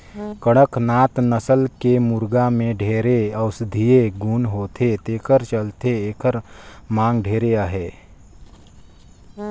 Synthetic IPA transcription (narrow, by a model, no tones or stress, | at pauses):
kəɽ̃əknaːt̪nəsəlkemʊɾɡamẽɖʱeːɾeəʊsd̪ʱieɡuːnɦoːt̪ʰet̪eːkəɾt͡ʃəlt̪eeːkəɾmãːŋɡɖʱeːɾeaɦeː